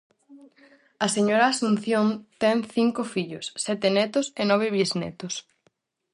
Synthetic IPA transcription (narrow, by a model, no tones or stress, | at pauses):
ɐseɲoɾaːsunθjoŋt̪ɛŋθiŋkofiʎʊsːɛt̪enɛt̪ʊsenɔβ̞eβiznɛ̰t̪ʊs